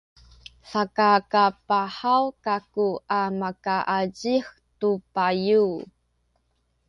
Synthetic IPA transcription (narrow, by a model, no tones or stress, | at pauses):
sakakapaħawkakuamakaʔaɟix | tupaju